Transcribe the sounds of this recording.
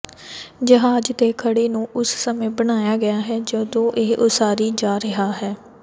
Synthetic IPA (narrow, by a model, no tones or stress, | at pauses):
d͡ʒəɦaːd͡ʒt̪eːkʰəɽeːnũːʔʊssəmẽːbəɽ̃aːjaːɡəjaːɦɛːd͡ʒəd̪õːʔeːʔʊsaːɾiːd͡ʒaːɾəɦaːɦɛː